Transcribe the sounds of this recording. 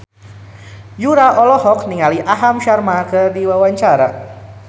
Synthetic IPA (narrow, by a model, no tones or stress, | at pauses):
juɾaʔɔlɔɦɔk̚niŋaliʔaɦamʃarmakɨrdiwawaɲt͡ʃaɾa